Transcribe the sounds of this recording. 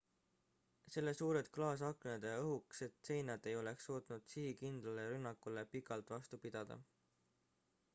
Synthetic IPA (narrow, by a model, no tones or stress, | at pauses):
se̞lːe̞suːɾe̞d̪̥klɑːs̬ɑkned̪̥eɤɦukse̞t̪ːse̞jnɑd̪e̞jo̞le̞ksoːt̪nud̪̥sihikind̪̥lɑleɾynːɑkːˑule̞pikːˑɑlt̪ːˑvɑst̪upid̪̥ɑd̪̥ɑ̰